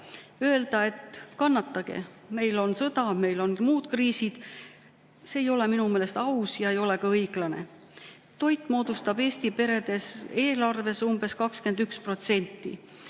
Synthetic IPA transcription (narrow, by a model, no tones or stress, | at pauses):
øe̞ld̪̥ɑet̪kɑnːɑt̪ˑːɑɡ̥e̞̰ | me̞jlo̞nsɤd̪ɑme̞jlo̞nmuːd̪̥kriːsid̪̥ | se̞ːjo̞le̞minumeːle̞st̪ɑusjɑe̞jo̞le̞kɑɤjɡ̥lɑne̞̰ | t̪o̞jt̪ːˑmo̞ːd̪̥ust̪ɑbe̞ːst̪ipe̞ɾe̞d̪̥e̞se̞ːlɑrve̞sumbe̞skɑkske̞nd̪ykspro̞t̪se̞nʲt̪ːˑḭ